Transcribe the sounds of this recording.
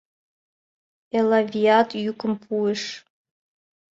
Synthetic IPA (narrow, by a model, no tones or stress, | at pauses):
elavʲiatʰʼjukʷʰʼɨmpʰuiʂ